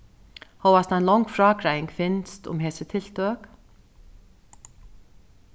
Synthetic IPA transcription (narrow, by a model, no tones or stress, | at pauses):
hoːwvast̪ajnlɔwŋkfɾaːkɾajɪŋkfɪnst̪ʊ̰mɦɛːsɪt̪ʰɪl̥t̪œːk